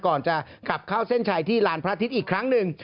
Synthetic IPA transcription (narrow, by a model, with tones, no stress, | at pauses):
kɔː˨˩nt͡ɕa˨˩ | kla˨˩p̚kʰaː˥˩wse˥˩nt͡ɕʰaː˧˥jt̪ʰiː˥˩laː˨˥npʰɾa˦˥t̪ʰi˦˥t̪̚ʔiː˨˩kʰɾa˦˥ŋnɯ˨˩ŋ